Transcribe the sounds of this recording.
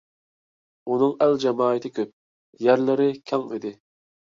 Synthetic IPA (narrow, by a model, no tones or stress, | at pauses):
unɨŋæld͡ʒɛmɑːɨt̪ʰɪkʲʰøp̚ | jæɾlˠɪɾɪkʲʰɑŋid̪ɪ